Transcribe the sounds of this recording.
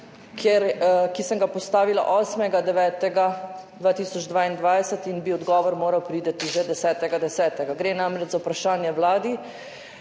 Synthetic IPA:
kʰjɛɾkisəŋɡapɔst̪aːʋila̰ʔɔːsmɛɡad̪ɛʋɛːt̪ɛɡad̪ʋaːt̪iːsɔd͡ʒd̪ʋaːind̪ʋaːjsət̪inbiɔd̪ɡɔːʋɔɾmoːɾawpɾiːd̪ɛt̪iʒɛd̪ɛsɛːt̪ɛɡad̪ɛsɛːt̪ɛɡaɡɾeːnamɾɛd͡ʒzapɾaʃaːnjɛwlaːd̪i

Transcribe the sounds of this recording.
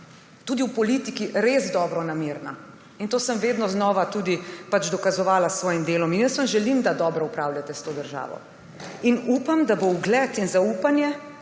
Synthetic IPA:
t̪uːd̪iwpɔlit̪ikiɾezd̪ɔːbɾɔnameɾna | int̪oːsəmʋeːd̪nɔznɔːʋat̪uːd̪ipat͡ʃd̪ɔkazɔʋaːlasʋɔːjimd̪eːlɔminjəsʋɐmʒɛlimd̪ad̪ɔːbɾɔupɾaːwljat̪ɛst̪oːd̪əɾʒa̰ːʋɔ̰ | inuːpamd̪abowɡlɛt̪inzauːpanjɛ

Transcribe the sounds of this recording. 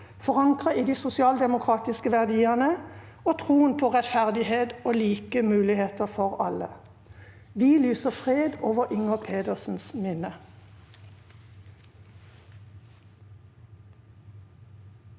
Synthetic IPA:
fɔʁɑŋkʁəiːd̪iːsʊsɪɑːld̪ɛmʊkʰʁɑːt̪ɪskəʋæʁd̪iːənə | oːt̪ʰʁuːənpʰoːʁɛt̪fæʁd̪ɪheːd̪oːliːkəmʉːlɪheːt̪əfɔʁɑ̰lə̰ | ʋiːlyːsəfʁeːd̪ʔoːʋəʁʔɪŋəpʰeːd̪əʁsn̩smɪnə

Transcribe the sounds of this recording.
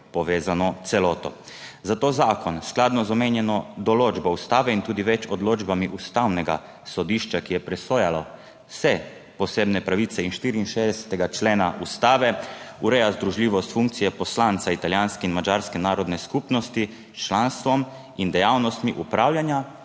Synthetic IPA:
pɔʋeːzanɔt̪sɛlɔːt̪ɔ̰zat̪oːzaːkɔnsklad̪nɔzɔmeːnjɛnɔd̪ɔloːd͡ʒbɔust̪aːʋɛint̪uːd̪iʋɛt͡ʃɔd̪loːd͡ʒbamiʔust̪awnɛɡa̰ | sɔd̪iʃt͡ʃakijɛpɾɛsoːjalɔ | sɛ | pɔseːbnɛpɾaʋit̪ɛinʃt̪iːɾiːnʃeːzd̪ɛsɛ̥t̪ɛɡat͡ʃleːnaʔust̪aːʋɛuɾɛjazd̪ɾuʒlʲiːʋɔst̪fuŋk̚t̪sijɛpɔslant̪sait̪aljanskɛinmad͡ʒaɾskɛnaːɾɔd̪nɛskupnɔst̪i | t͡ʃlanst̪ʋɔm | ind̪ɛjawnɔst̪miʔupɾawljanja

